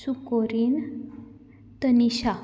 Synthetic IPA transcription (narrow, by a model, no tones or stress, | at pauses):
sukoɾin | t̪əniɕa